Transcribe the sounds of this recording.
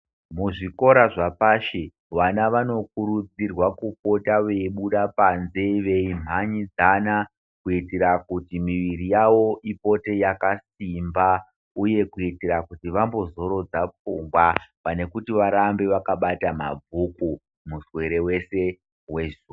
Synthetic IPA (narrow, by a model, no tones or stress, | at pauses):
muʐiko̞ɾaʐapaːʃe | ʋanaʋano̞k̚uɾud͡zirwakup̚o̞taʋeiɓuɗapanze̞ʋe̞im̤aɲid͡zana | kuiteɾakutimiʋiɾijaʋo̞ʔipo̞te̞jakasimba | uje̞kuiteɾakutiʋambo̞zo̞ɾo̞d͡zap͡fuŋɡwapane̞kutiʋaɾambe̞ʋakaɓatama̰b͡vuku | muswe̞ɾe̞we̞se̞ | we̞zu